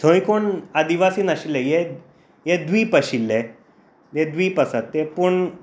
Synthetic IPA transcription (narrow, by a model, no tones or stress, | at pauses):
t̪ʰõĩkoɳad̪iʋasiːnaɕilːeje | jed̪ʋiːpəɕilːe | jed̪ʋiːpəsat̪ːepuɳ